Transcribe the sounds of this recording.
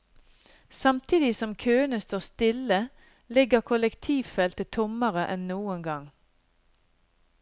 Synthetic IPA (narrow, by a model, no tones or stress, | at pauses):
sɑmt̪ʰiːd̪ɪsɔmkʰøːənəst̪oːʁst̪ɪlə | lɪɡəʁkʰʊlɛkt̪ʰiːʋfɛlt̪ət̪ʰʊməʁəʔɛnnuːəŋɡɑŋ